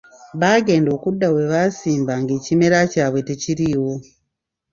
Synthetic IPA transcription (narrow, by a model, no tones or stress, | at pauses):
βaːɡe̞ːndo̞ːkudːawe̞βasiːmbaŋɡe̞ːcimeɾacaːβwe̞te̞ciɾiwo̞